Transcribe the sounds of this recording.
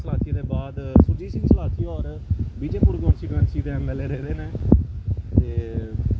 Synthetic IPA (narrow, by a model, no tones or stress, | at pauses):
səlaːt̪ʰid̪eːbaːd̪sʊɾd͡ʒiːsɪ̃ŋɡsəlaːt̪ʰiːɔːɾ | biːd͡ʒeːpuɾɡɔ̃ːmsiːɡʋẽːnʈsiːd̪ẽːɛmɛːleːɾeːɾeːneː | eː